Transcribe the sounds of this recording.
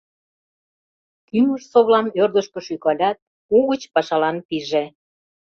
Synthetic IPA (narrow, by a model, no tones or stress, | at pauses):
kyməʃsoβlɑnørd̪əʃkə̆ʃykɑlʲɑt̪̚ | uɣət͡ɕpɑʃɑlɑnpiʒe